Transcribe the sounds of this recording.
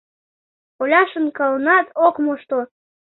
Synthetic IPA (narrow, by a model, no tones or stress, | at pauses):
olʲɑʃə̆nkəlˠnɑt̪ʰokmoʃt̪o